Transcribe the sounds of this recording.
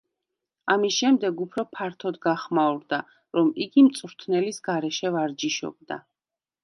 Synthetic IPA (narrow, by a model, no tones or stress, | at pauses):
amisʃɛmd̪ɛɡupʰɾɔpʰaɾt̪ʰɔd̪ɡaχmauɾd̪a | ɾɔmiɡimt̪sʼɾt̪ʰnɛlisɡaɾɛʃɛvaɾd͡ʒiʃɔ̰b̚d̪a̰